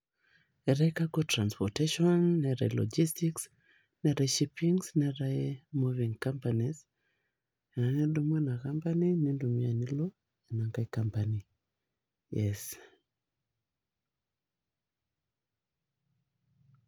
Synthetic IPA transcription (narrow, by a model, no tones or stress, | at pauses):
ɛɾajkaɡotɾanspɔteʃɔnːɛɾḛlɔ̰d͡ʒistiks | nɛɾeʃipiŋsnɛɾajmuvĩŋkãmpaniz | anidumɛnakampaninindumianilɔ | ɛnaŋɡajkampani | jɛs